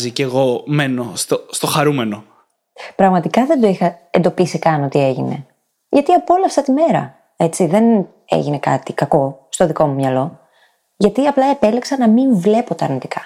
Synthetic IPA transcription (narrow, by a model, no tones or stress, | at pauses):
ziceɣo̞meno̞st̪ost̪o̞xɐɾume̞no̞ | pɾɐɣmɐt̪ikɐðe̞nd̪oixɐend̪o̞pisikɐno̞t̪ie̞ʝine̞̰ | ʝɐt̪iɐpo̞lɐft̪ɐt̪ime̞ɾɐ̰ | e̞t͡siðe̞n | ḛʝine̞kɐ̰t̪ikɐko̞st̪o̞ðiko̞mumɲɐlo̞ | ʝɐt̪iɐplɐe̞pe̞liksɐnɐmiɱvle̞po̞t̪ɐːɾnit̪i̥kɐ̥